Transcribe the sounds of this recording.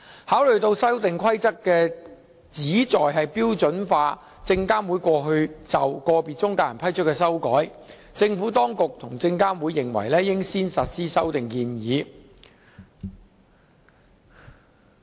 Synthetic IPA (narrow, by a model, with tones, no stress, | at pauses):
haː˨˥wlɵ˨ɥt̪o˧wsɐ˥wt̪ɪ˨ŋkʰɐ˥jt͡sɐ˥kːɛː˧ | t͡siː˨˥t͡sɔː˨jɦɐ˨jpiː˥wt͡sɵ˨˥nfaː˧ | t͡sɪ˧ŋkaː˥nwu˨˥jkʷɔː˧ɦɵ˧ɥt͡sɐ˨wkɔː˧piː˨˩t͡sʊ˥ŋkaː˧wjɐ˨˩pʰɐ˥jt͡ʃʰɵ˥tkːɛː˧sɐ˥wkɔː˨˥j | t͡sɪ˧ŋfuː˨˥t̪ɔː˥ŋkʊ˨k̚t̪ʰʊ˨˩ŋt͡sɪ˧ŋkaː˥nwuː˨˧jːɪ˨ŋwɐ̰˨˩jlɛː˥jɪ˥ŋsiː˥nsɐ˨t̚siː˥sɐ˥wt̪ɪ˨ŋkiː˧njiː˨˧˦